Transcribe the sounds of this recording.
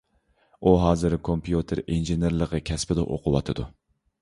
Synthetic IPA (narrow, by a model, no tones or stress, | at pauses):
uɦɑːzɨɾkʰompʰjut̪ʰeɾenʒeneɾlˠəʁəkʲʰɛspɪd̪ɛ̰ʔo̰qʰʊwɑ̰t̪ʰɨd̪u